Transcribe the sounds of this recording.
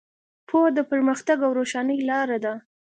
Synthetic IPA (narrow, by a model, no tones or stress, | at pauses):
pʰod̪əpəɾməxt̪aɡawɾoʃɑnəjlɑɾad̪a